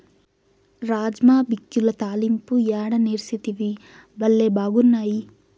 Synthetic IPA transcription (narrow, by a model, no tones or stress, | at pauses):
ɾaːd͡ʒmaːbikjulɐt̪aːlimpujaːɽɐniːɾsit̪iʋi | bɐlːebaːɡunːaːji